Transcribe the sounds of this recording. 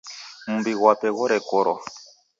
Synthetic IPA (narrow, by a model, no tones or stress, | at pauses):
m̩biɣwapɛɣɔɾɛkɔɾɔ